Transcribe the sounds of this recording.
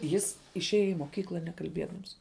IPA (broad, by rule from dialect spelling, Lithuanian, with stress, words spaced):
jɪs ɪʃʲˈeːjɛ ɪ moːˈkʲiːklˠɐ nʲɛkɐlʲˈbʲiɛdɐms